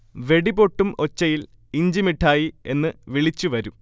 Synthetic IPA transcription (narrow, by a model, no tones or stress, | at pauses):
ʋe̞ɽibo̞ʈːumo̞t͡ɕːɐjil | iɲd͡ʑimiʈʰːaːjie̞nːɨʋiɭit͡ɕːuʋɐɾum